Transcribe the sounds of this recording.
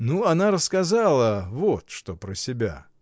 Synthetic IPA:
nuɐnaɾəskɐzalˠəvot̪ʂt̪opɾəsʲɪbʲa̰

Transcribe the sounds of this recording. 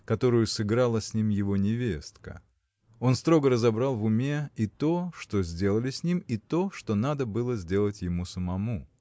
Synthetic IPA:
kɐt̪o̞ɾʊjʊsɨɡɾalˠəsʲnʲimjɪvo̞nʲɪvʲe̞st̪kə̰ | o̞nst̪ɾo̞ɡəɾəzɐbɾalˠvʊmʲeit̪o̞ʂt̪o̞zʲdʲe̞lˠəlʲɪsʲnʲimit̪o̞ʂt̪o̞nad̪əbɨlˠəzʲdʲe̞lˠətʲjɪmusəmɐmu

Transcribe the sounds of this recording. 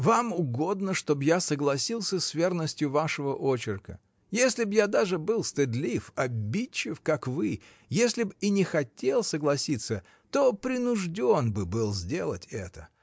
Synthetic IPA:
vamʊɡo̞d̪nəʂt̪o̞bjasəɡlˠɐsʲilˠsʲəsvʲe̞rnəsʲtʲjʊvaʂəvəʔot͡ɕɪrkə | jesʲlʲɪbjad̪aʐɨbɨlˠst̪ɨd̪lʲifɐbʲit͡ɕːɪfkakvɨ | jesʲlʲɪbinʲɪxɐtʲelˠsəɡlˠɐsʲit̪sə | t̪o̞pɾʲɪnʊʐdʲo̞nbɨbɨlˠzʲdʲe̞lˠətʲɛt̪ə

